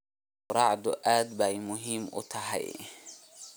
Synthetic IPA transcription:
ʊɾɑʕd̪ʊʔaːd̪bæjmʊɦiːmʔʊ̰t̪ʰɐɦɛ̰j

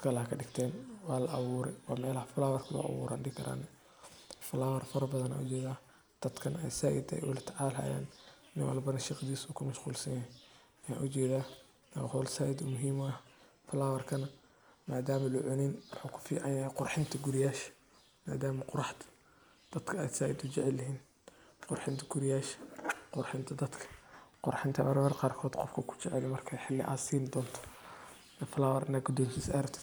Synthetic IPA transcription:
kʰɐlɐhɐkʰɐɖɪɡt̪ʰɛːnwɑːlɐʔɑβuːɾɛ̰jwɑːmɛːlhɐfʊlaːwɐrkʰɐlɔ̰ːʔɐ̰βṵːɾʔa̰ːnɖɪkʰɐɾa̰ːnɛ | fʊlawɐrfɐɾɐbɐðɐna̰ːʊt͡ʃɛːðaːh | d̪̥ɐd̪kʰɐnɛ̰jsaːʔɪd̪ɛ̰jʔʊlɐt̪ʰɐʕaːlɦa̰ːja̰ːnː | ɪnwɐ̰lbɐnɐʃiqd̪iːsuːkʰʊmɐʃquːlsɐjɐ | ɐja̰ːʔʊt͡ʃɛːðaː | nɐhɔlsajd̪ʊmʊɦiːmɐ | fʊlawɐrkʰɐnɐ | maːd̪aːmɐlʊʕʊnɪnmʊħaːkʰʊ̥fḭːʕɑnjaːqʊrħɪnt̪ʰɐɡʊɾɪjaːʃ | ma̰ːd̪aːmɐqʊɾɑħt̪ʰɐ̥ | d̪̥ɐd̪kʰɐɛsaːjɪd̪ʊt͡ʃɛʕɛlːɐɦiːn | qʊrħɪnt̪ʰɐ̥ɡʊɾɪjaːʃqʊɾħɪnt̪ʰɐd̪ɐd̪kʰɐ̥qʊɾħɪnt̪ʰɐmɐɾmɐɾqɑːrkʰɔːd̪qɔfkʰɐkʰʊ̥t͡ʃɛʕɛ̰lɛmɐrkʰɛħɪlːɪ̰ʔa̰ːsiːnɪd̪ɔːnt̪ʰɔ̥ | ɛfɐlaːwɐɾɪnɐɡʊd̪ɔːmsisɐɾɐbt̪ʰɐ̥

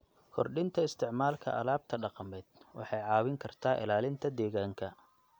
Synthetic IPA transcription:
kʰɔrɖɪnt̪ʰɐɪst̪ʰɪʕmaːlkʰɐ̰ʔɐ̰laːb̚t̪ʰɐɖɑqɑmɛːd̪̥wɑ̰ħɑjʕɑːwɪŋkʰɐrt̪ʰaːʔɪ̰laːlɪnt̪ʰɐd̪ɛːɣaːŋkʰɐ

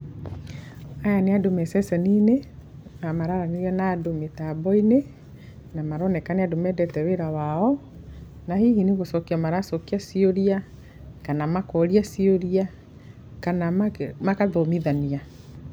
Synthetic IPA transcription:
ajaneadomɛsɛsɛninenamaɾaɾaniɾɛnadometabɔine | namaɾɔnɛkaneadomɛdɛtɛweɾawaɔ | nahiːhiniɣosɔkiamaɾasɔkiasioɾia | kanamakɔɾiasioɾia | kanamakaðɔmiðania

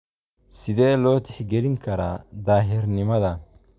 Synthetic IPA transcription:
sɪðɛːlɔːt̪ʰɛħɡɛlɪŋkʰɐɾa̰ːd̪aːɦɪrnɪmɐðɐ

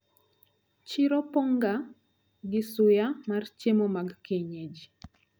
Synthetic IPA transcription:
t͡ʃiɾɔpɔŋɡa | ɡɪsʊjamart͡ʃemɔmaɡkeɲed͡ʒ

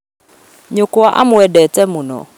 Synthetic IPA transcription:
ɲokoaʔa̰mʊɛdɛtɛmʊnɔ̰

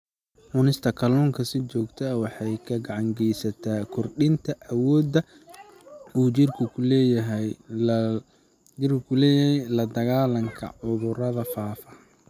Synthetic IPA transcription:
ʔʊnɪst̪ʰɐkʰɐlɔːŋkʰɐsɪt͡ʃɔːɡt̪ʰɛwɑħɑjkʰɐɡɑʕɑŋɡɛjsɐt̪ʰaːkʰʊrɗɪnt̪ʰɐʔɐwɔːd̪ɐ | uːt͡ʃɪrkʰʊkʰʊlɛːjɐɦɛj | d͡ʒɪrkʊkʰʊlɛːjɦɛjlɐd̪ɐɣaːlɐŋkʰɐ̰ʕʊðʊɾɐðɐfaːfɐ

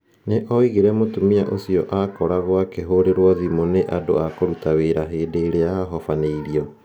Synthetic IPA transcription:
neʔɔiɣeɾɛmotumiaʔosiɔʔakɔɾaɣwakeɦoɾeɾwɔðimoneʔado̰akoɾutaweɾaɦeːdeːɾeaɦɔfaneiɾiɔ

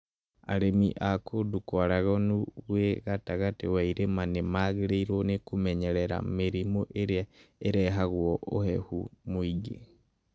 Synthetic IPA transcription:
a̰ɾemiʔakʰodukwaɾaɣɔnuɣweɣataɣatewaiɾemanemaɣeɾeiɾɔnekumɛɲɛɾɛɾa̰meɾimoʔeɾeaeɾɛɦaɣwɔʔo̰hɛhumoiɡḛ

